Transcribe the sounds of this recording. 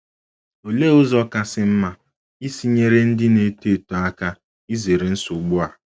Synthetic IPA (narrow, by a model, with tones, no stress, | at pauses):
o˨le˦ʊ˦zɔ˦ka˦sɪ˦m̩˦ma˦ | i˦si˦ɲe˦ɾe˦n̩˦dɪ˦ne˨˦te˦˨to˨a˦ka˦ | i˦ze˨ɾe˨n̩˦sʊ˨ɡ͡bʊ˦a˨